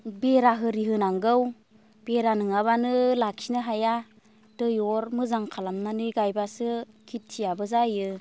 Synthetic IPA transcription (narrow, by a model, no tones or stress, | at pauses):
beɾaɦɯɾiɦɯnaŋɡɯw | b̥eɾanɯŋaβanɯlaksinɯɦaja | d̥ɯjɔɾmɯzaŋkʰalamnanɯɡajbasɯ | kʰitʰːijabɯzajɯ